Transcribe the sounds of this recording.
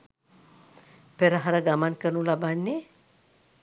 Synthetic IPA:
peɾaɦaɾaɡamankənulabanːe

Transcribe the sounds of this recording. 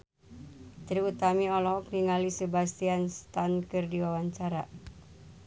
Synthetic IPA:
t̪ɾiut̪amiɔlɔɦɔk̚niŋalisəbast̪ianst̪ankɨrdiwawaɲt͡ʃaɾa̰

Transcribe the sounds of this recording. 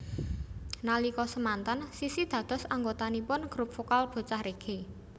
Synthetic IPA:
nalikɔsəmant̪ansisid̪̥ä̤d̪̥ɔ̤saŋɡot̪anipʊnɡ̥ɾup̚fokalb̥o̤t͡ʃahɾeɡ̥e

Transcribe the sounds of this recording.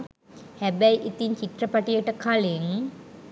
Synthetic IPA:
hæbɛjʔit̪iɲt͡ɕiʈrəpaʈijəʈəkʰaleŋ

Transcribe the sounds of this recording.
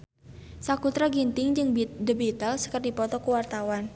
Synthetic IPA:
sakut̪ɾaɡint̪ɪŋd͡ʒɨŋbidəbit̪alsə̥kərdipɔt̪ɔkəwart̪awan

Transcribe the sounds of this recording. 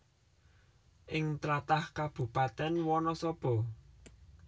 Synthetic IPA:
ʔɪŋt̪ɾat̪ahkab̥ṳpat̪ɛnwɔnɔsɔb̥ɔ̤

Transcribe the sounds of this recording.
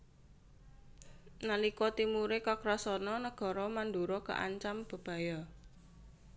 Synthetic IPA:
nalikɔt̪imuɾekakɾɔsɔnɔnəɡ̥ɔ̤ɾɔmand̪uɾɔkə̰ʔa̰ɲt͡ʃamb̥ə̤b̥a̤jɔ

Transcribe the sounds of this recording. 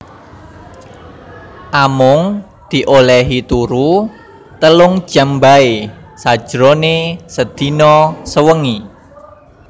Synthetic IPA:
ʔamʊŋ | d̪̥i̤ʔolɛɦit̪uɾu | t̪əlʊŋd̥ʒ̥a̤mbaesad̥ʒ̥ɾɔnesəd̪̥i̤nɔsəwəŋi

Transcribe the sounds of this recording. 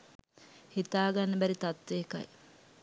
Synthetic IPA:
hit̪aːɡanːəbæɾit̪at̪ʋeːka̰j

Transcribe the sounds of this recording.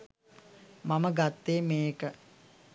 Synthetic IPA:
maməɡat̪ːeːmeːkə

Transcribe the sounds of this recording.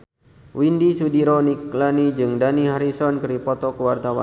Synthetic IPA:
windisudiɾɔnik̚lanid͡ʒɨŋdaniɦaɾisɔnkɨɾipɔt̪ɔkəwart̪awa̰

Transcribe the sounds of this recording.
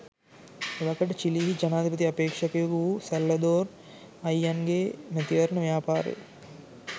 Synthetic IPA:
ʋɐkɐʈɐt͡ʃiliɦid͡ʒɐnaːd̪ʱipɐt̪̬iɐpeːkʂɐkeɡuusɐlːɐd̪oːɾ | ɐjɐnɡeːnɐt̪iʋɐɾɐnɐʋjaːpaːɾḛː

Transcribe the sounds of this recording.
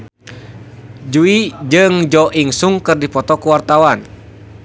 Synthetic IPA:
d͡ʒuid͡ʒɨŋd͡ʒɔʔiŋsuŋkɨrdipɔt̪ɔkuwart̪awan

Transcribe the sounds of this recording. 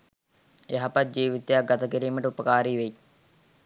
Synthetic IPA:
eɦapɐt̪̚d͡ʒiːʋit̪ejak̚ɡɐt̪ɐkiɾiːməʈəupəkaːɾiːʋei

